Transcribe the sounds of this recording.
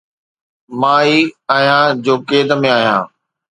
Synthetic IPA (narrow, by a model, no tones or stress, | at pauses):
maːiaːɦijãːd͡ʑoːkeːd̪əmẽaːɦijã̰ː